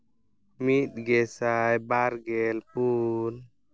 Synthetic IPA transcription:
mit̪̚ɡɛsajbaɾɡɛlpun

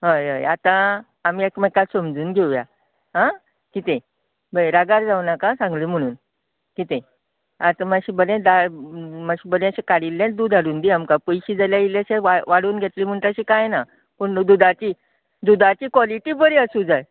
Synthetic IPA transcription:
ɦəjə̰jat̪ãː | miːekməkasəmd͡zuːnɡʱewja̰ | ɦã | kit̪ẽ | bəɾaɡaɾd͡zawnakasãŋɡlim̤əɽ̃uːn | kit̪ẽ | at̪ãmaɕibəlẽd̪amaɕiːbəlẽəɕekaɽilːẽd̪uːd̪ʱaɽuːnd̪iamkapəjɕiːd͡zaljaileɕeaʋaɽuːnɡʱet̪lim̤əɳt̪əɕikajena | pəɳd̪ud̪at͡ɕiː | d̪ud̪at͡ɕiːkʋɔliʈiːbəɾiəsud͡zaj

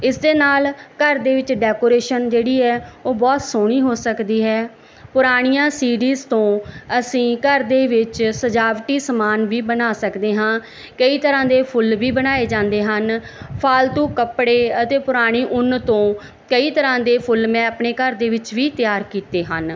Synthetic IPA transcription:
ɪsd̪eːnaːlkəɾd̪eːʋɪt͡ʃɖɛːkoːɾeːʃənd͡ʒeːɽiːɛːoːbɔːt̪soɽ̃iːɦoːsəkd̪iːɦɛː | pʊɾaːɽ̃ijãːsiːɽiːzt̪õːəsĩːkəɾd̪eːʋɪt͡ʃsəd͡ʒaːʋʈiːsəmaːnʋiːbənaːsəkd̪eːɦãː | kəiːt̪əɾãːd̪eːpʰʊlʋiːbənaːeːd͡ʒãːnd̪eːɦənpʰaːlt̪õːkəpɽeːət̪eːpʊɾaːɽ̃iːʔʊnt̪õː | kəiːt̪əɾãːd̪eːpʰʊlmɛ̃ːəpɳeːkəɾd̪eːʋɪt͡ʃʋiːt̪ɪjaːɾkiːt̪eːɦən

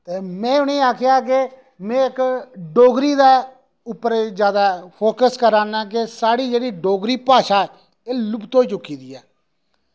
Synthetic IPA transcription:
t̪eːmɛ̃ːʊneːaːkʰɪjaːk̬e | mɛ̃ːɪkɖoːɡɾiːd̪aː | ʊpːəɾezjaːd̪aːpʰoːkəskəɾaːnãːk̬esaːɽiːd͡ʒeːɽiːɖoːɡɾiːpaːʃaːɛː | eːlʊpt̪ɦoːiːt͡ʃʊkːiːd̪iːɛː

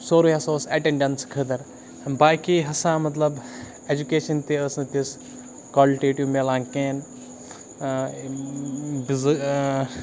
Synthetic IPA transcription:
soːɾoːjɐsoːsɐʈẽɳɖɐnskʰəd̪ɐɾ | baːkiɦɐsãmɐt̪lɐb | ed͡ʒukeːʃɐnt̪eəsɨ̃t̪is | kaːliʈiːʈimelãːŋkeːn | biz

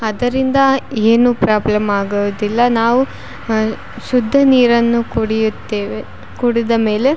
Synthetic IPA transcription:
ɐd̪ɐɾind̪ɐeːnupɾaːblɐmaːɡuʋud̪ilːɐnaːʋu | ʃud̪ʱːɐniːɾɐnːukuɽijut̪ːeʋ | kuɽid̪ɐme̞ːle

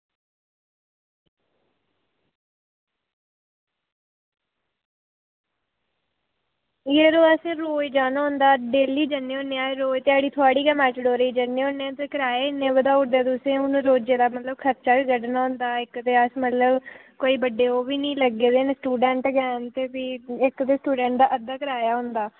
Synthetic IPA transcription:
jeːɾoːəsẽːɾoːjd͡ʒaːnɔ̃ːnd̪aːɖeːliːd͡ʒənːeõːneaːɾoːjt̪eːaːɽiːt̪ʰoaːɽiːkəmɛːʈəɖoːɾiːd͡ʒənːeːonːeat̪eːkəɾaːeːnẽːʋəd̪aːʊʈd̪eːd̪ʊsẽːʊñɾoːd͡ʒeːd̪aːmət̪ləb̚kʰəɾt͡ʃaːbiːɡəɖənãːnd̪aːɪkt̪eːəsmət̪ləbkoːiːbəɖeːoːbiːnĩːləɡeːd̪eːneːsʈuːɖɛːɳʈɡɛːnt̪eːpiːɪkt̪eːsʈuːɖɛ̃ːɳʈ̚d̪aːʔəd̪aːkəɾaːjaːɦʊ̃nd̪aː

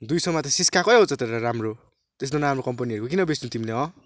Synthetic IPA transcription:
d̪ujsʌmʌt̪ʌsiskʰakʌjɦot͡sʌt̪eɾaɾamro | t̪es̬d̪ʌnaamrokʌmpʌniʌɾukokinʌbesnũt̪imileɦʌ̃

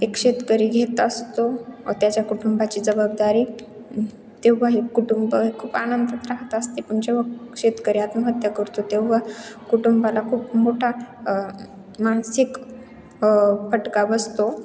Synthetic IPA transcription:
ekɕet̪kəɾiːɡʱet̪əst̪ot̪jat͡ɕjakuʈumbat͡ɕiːd͡zəbab̚d̪aɾiː | t̪eʋəɦekuʈumbəɦekʰuːpanənd̪ʱət̪ɾaɦt̪əst̪epəɳd͡ʑeʋəkɕet̪kəɾjat̪məɦət̪jəkəɾt̪ot̪eʋəkuʈumbalakʰuːpmoʈʰa | maɳsik | pəʈkabəst̪o

